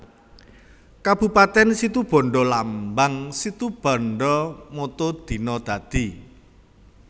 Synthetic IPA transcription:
kab̥ṳpat̪ɛnsit̪ub̥ɔ̤ɳɖɔlambaŋsit̪ub̥ɔ̤ɳɖɔmot̪od̪̥i̤nɔd̪̥ä̤d̪̥i

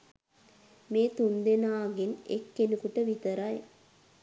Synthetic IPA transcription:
meːt̪und̪enaːɡenḛkːenukuʈəʋit̪əɾaj

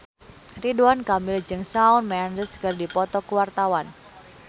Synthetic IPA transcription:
riduankamɪld͡ʒɨŋsaunmɛandəskɨrdipɔt̪ɔkuwart̪awan

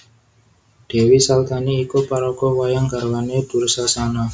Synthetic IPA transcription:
ɖ̥e̤wisalt̪aniːkupaɾɔkɔwajaŋɡarwaned̪̥ṳrsasana

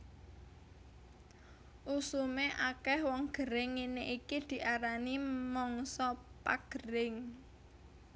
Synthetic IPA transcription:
ʔusumeʔakɛhwɔŋɡ̥əɾɪŋːineʔikid̪̥i̤ʔaɾanimɔŋsɔpaɡ̥əɾɪŋ

